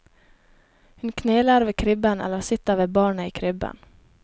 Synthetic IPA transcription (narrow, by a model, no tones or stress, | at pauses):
hʉnkʰneːlaɾveːkʰɾʏbːənɛ̰lːəɾsɪt̪ːaveːbɑːɳəɪːkʰɾʏbːə̰n